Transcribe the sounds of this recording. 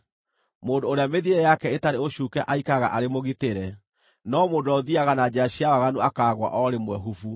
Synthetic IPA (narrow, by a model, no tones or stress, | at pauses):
moːndoːɾeameðiɛjakɛetaɾeoɕuːkɛʔaikaɣa̰ʔaɾemoɣiteɾɛ | nɔmoːndoɔðiaɣanad͡ʑaɕiawaɣanuakaːɣwa̰ʔɔɾemwɛɦufu